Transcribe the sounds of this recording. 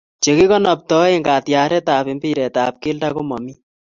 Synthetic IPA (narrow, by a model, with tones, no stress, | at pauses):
t͡ʃe˨ki˦kɔ˦nɔ˨p̚tɔ˨˦e˦ŋɡa˨tja˨ɾɛ˦taː˨pɪ˨mbi˦ɾɛ˨taː˨p̚ke˦lda˦ko˦mɔ˨mi˦